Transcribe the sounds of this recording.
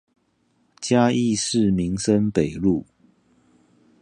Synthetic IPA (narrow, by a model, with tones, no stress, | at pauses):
t͡ɕja˦i˥˨ʂɻ̩˥˨mi˨˦ŋsə˦npe˨˩ɪlu˥˨